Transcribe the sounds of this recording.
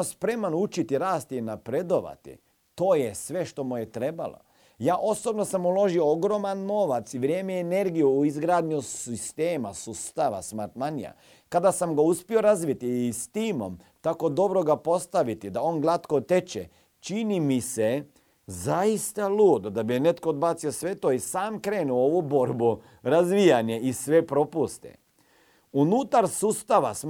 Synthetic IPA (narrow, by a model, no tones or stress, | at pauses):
ospɾe̞manut͡ʃit̪iɾaːst̪iinapɾed̪o̞ʋa̰t̪ḭ | t̪o̞ːjesʋe̞ʃt̪o̞mujet̪ɾe̞ba̰lo̰ | jaːʔo̞sobno̞samulo̞ʒiooɡɾomanno̞ːʋat̪siʋɾjeːmeːne̞ɾɡijuːizɡɾaːd̪ɲusist̪eːmasust̪aʋa̰smaɾt̪manija̰ | kad̪asamɡauspio̞ɾazʋit̪iːst̪iːmo̰m | t̪ako̞d̪o̞bɾoɡapo̞st̪aʋit̪id̪aoːnɡlˠat̪kot̪e̞t͡ʃḛ | t͡ʃinimise | zaist̪aluːd̪od̪abine̞t̪kood̪bat̪siosʋe̞t̪oisaːmkɾeːnuoʋubo̞ɾbu | ɾazʋijaɲeisʋepɾo̞pust̪ḛ | unut̪aɾsust̪aʋas